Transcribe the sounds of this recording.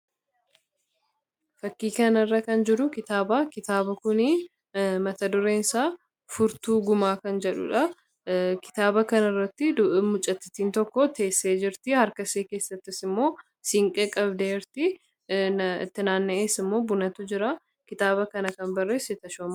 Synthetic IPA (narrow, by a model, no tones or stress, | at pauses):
fɐkːiːkɐnɐrːɐkɐnd͡ʒɪɾʊkɪt̪aːbaːkɪt̪aːbɐkʊnɪ | mɐt̪ɐd̪ʊɾeːnsaː | fʊɾt̪uːɡʊmaːkɐnd͡ʒɛᶑʊ̰ᶑɐ | kɪ̥t̪aːbɐkɐnɐrːɐt̪ːɪmʊt͡ʃʼːɐt̪ːɪ̥t̪iːnt̪ɔkːɔt̪e̞ːsːeːd͡ʒɪɾt̪ɪhɐɾkɐseːke̞ːsːɐt̪ːɪsɪmːo̞ː | sɪŋkʼɛkʼɐbd̪eːɾt̪ɪ | ɪ̰t̪ːɪnaːnːɛʔeːsɪmːo̞ːbʊnɐt̪ʊd͡ʒɪɾa | kɪt̪aːbɐkɐnɐkɐnbɐrːeːsːɪt̪ɐʃoːmɐ